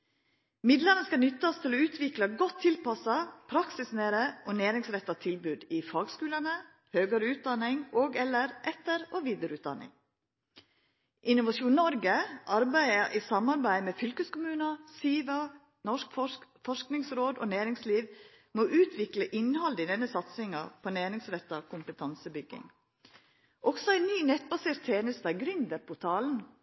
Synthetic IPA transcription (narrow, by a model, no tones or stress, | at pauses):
mɪd̪ləɾnəskɑnʏt̪ːɑst̪ʰɪloʉːt̪ʰʋɪklɑɡɔt̪ʰːɪlpɑsɑpʰɾɑksɪsneːɾəʔoːnæːɾɪŋsɾɛt̪ːɑt̪ʰɪlbʉːd̪ɪfɑːɡskʉːlənə | høːɡəɾəʉːt̪̚d̪ɑnɪŋoːɡɛləɾʔɛt̪əɾoːʋiːd̪əɾʉːt̪̚d̪ɑ̰nɪ̰ŋ | ʔɪnʊʋɑʃuːnɔɾɡəʔɑɾbæɪəʔiːsɑmɑɾbæɪmeːfʏlkəskʊmʉːnəsiːʋɑ | nɔʂkfɔʂknɪŋsɾoːd̪o̰ːnæːɾɪŋsliːʋ | moːʔʉːt̪ʰʋɪkləʔɪnhɑld̪əɪd̪ɛnːəsɑt̪sɪŋɑpʰoːnæːɾɪŋsɾɛt̪ːɑkʰʊmpət̪ʰɑnsəbʏɡːɪ̰ŋ | ʔɔksɔæɪnnyːnɛt̪̚bɑseːɾt̪ʰːeːnəst̪ɑɡɾʏnd̪əɾpʰʊt̪ʰɑːln̩